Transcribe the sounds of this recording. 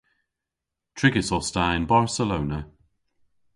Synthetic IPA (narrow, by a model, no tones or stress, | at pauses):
tʰɹ̥ɪɡɪsɔstaɪ̃nbaɹsəlownə